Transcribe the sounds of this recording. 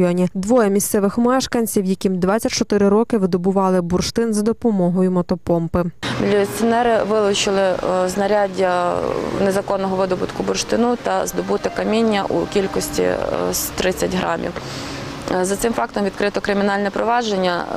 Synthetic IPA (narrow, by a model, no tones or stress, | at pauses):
jɔnʲid̪ʋɔjɛmʲist̪sɛʋɪxmɛʃkɐnʲt͡sʲiwjɐkʲimd̪ʋɑt͡sʲːɐtʲt͡ʃɔt̪ɪɾɪɾɔkɪʋɪd̪ɔbʊʋɑlˠɪbʊrʃt̪ɪnzɐd̪ɔpɔmɔɦɔjʊmɔt̪ɔpɔmpɪmʲilʲːt͡s̪ʲiɔnɛɾɪʋɪlˠʊt͡ʃɪlˠɪznɐɾʲadʲːɐnezɐkɔnːɔɦɔʋɪd̪ɔbʊt̪kʊbʊrʃt̪ɪnut̪ɐzd̪ɔbut̪ɪkɐmʲinʲːɐ̰ʔṵkʲilʲkɔsʲtʲḭt̪ɾɪt͡sʲːɐtʲɦɾɑmʲḭw | zɐt̪sɪmfɑk̚t̪ɔmʋʲid̪̚kɾɪt̪ɔkɾɪmʲinɑlʲnɛpɾɔʋɑʒenʲːɐ̰